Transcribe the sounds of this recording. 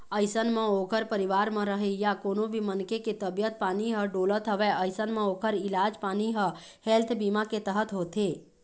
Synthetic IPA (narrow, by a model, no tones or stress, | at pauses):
əɪsənmẽokəɾpəɾiʋaɾmə̃ɾəɦejakoːnobʱimənkeket̪əbjət̪̚paːniɦəɖolət̪ɦəʋeəɪsənmẽoːkəɾilad͡ʒpaːniɦə | helt̪ʰbimaket̪əɦət̪ɦot̪e